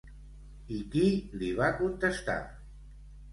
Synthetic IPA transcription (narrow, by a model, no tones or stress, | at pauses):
ikiliβakunt̪əst̪a̰